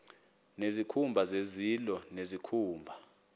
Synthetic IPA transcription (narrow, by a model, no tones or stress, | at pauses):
nezikʰumbʱazezilɔnezikʰuːmbʱa